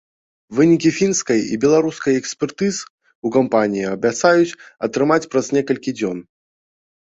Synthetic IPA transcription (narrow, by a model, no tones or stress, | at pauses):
vɨnʲikʲifʲinskɐjḭbʲɛlˠaɾuskɐjɛksʲpʲɛrt̪ɨzɨ | ukampanʲijiɐbʲat̪sajut͡sʲɐt̪ɾɨmat͡sʲpɾɐznʲɛkɐlʲkʲid͡zʲɔn